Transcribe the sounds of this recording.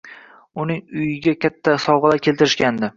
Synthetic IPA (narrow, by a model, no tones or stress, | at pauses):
ʊnɪŋʊjɪɡʲakʲat̪ʰːasɒwʁɨlaɾkʲʰe̞lt̪ɪɾɪʃkʲand̪ɪ